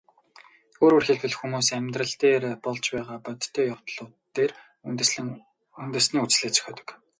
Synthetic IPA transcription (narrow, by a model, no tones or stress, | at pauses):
oːɾɵrxeɮpɘ̆ɮxumuːsæmʲt̪rə̆ɬt̪eːrpɔɮt͡ɕpæːʁaːpœt̪ʰːœːjaw̥t̪ɮʊːt̪ːeːr | unt̪ɘ̆sniːut͡sɮeːkt͡sʰœ̥xʲɔːt̪ə̥̆k